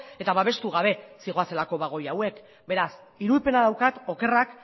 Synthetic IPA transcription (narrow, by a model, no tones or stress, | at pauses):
e̞t̪aβaβ̞e̞st̪uɣ̞aβ̞e̞siɣo̞ase̞lako̞βaɣ̞o̞jawe̞k | be̞ɾas | iɾulpe̞naðawkat̪o̞ke̞rak